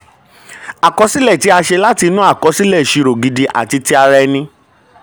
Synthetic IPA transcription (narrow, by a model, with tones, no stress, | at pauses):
a˨kɔ˧˦si˦lɛ˦˨ti˦a˧ʃe˧la˦ti˧˦nũ˦a˦˨kɔ˨˧˦si˦lɛ˦˨ʃi˧ɾo˨ɡi˨˧di˧ʔa̰˨ti˧ti˦a˧ɾɛ˧nĩ˧